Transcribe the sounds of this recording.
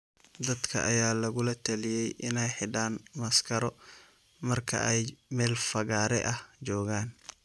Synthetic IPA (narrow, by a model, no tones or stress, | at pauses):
d̪ɐd̪kʰɐ̰ʔɐjaːlɐɣʊlɐt̪ʰɐlɪjɛjʔɪnɛjħɪɖaːnmɐskʰɐɾɔ | mɐrkʰɐ̰ʔɛjmɛːlfɐɣaːɾɛ̰ʔɐht͡ʃɔːɣaːn